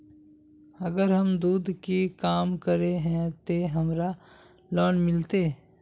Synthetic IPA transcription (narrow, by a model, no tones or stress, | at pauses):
ɐɡəɾɦɐmd̪uːd̪ʱkikaːmkəɾeɦɛ̃t̪eɦɐmɾa | lɔːnmɪlt̪eː